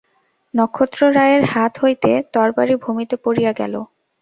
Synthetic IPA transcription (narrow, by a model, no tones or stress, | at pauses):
nɔkʰːot̪ːɾoɾajeɾhat̪ɦojt̪et̪ɔɾbaɾibʱumit̪epoɾijaɡɛ̰lo̰